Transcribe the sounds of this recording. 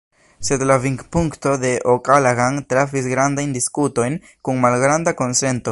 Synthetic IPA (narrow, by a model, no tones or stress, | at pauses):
se̞dlaviŋkpuŋkto̞d̪e̞ʔokalaɣaŋtɾafis̬ɡɾandajndiskuto̞jn | kuŋmalɡɾandako̞nse̞nto̞